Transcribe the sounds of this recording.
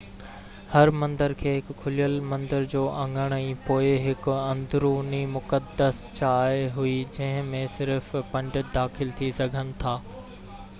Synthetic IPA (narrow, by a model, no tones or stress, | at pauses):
hɐɾmɐ̃nd̪əɾkʰeːɦɪkkʰʊlijəlmɐ̃nd̪əɾd͡ʑoːʔɐ̃ŋɡəɽ̃əĩpoːɪɦɪkɐ̃nd̪ʱɾunimʊkəd̪əst͡ɕaːeɦʊid͡ʑɐ̃ɦɪ̃mẽsɪɾfpɐ̃ɳɖəd̪aːxɪlt̪ʰisɐɡʱənɪ̆t̪ʰaː